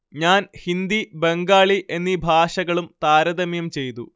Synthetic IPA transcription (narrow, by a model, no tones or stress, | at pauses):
ɲaːnhind̪ibeŋɡaːɭiʔe̞nːibʱaːʂɐɣɐɭumt̪aːɾɐd̪ɐmjɐmt͡ɕe̞jt̪u